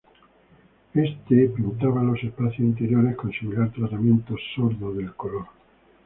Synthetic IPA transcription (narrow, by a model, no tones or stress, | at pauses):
est̪epint̪aβalosespaθjosint̪eɾjoɾeskonsimilaɾt̪ɾat̪amjent̪osːoɾðoðelkoloɾ